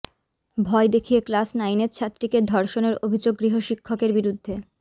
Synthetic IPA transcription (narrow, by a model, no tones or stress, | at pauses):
bʱɔed̪ekʰijeklasnajnett͡ɕʰat̪ːɾiked̪ʱɔɾʃoneɾobʱid͡ʑoɡːɾiɦoʃikʰːokeɾbiɾud̪ʱːe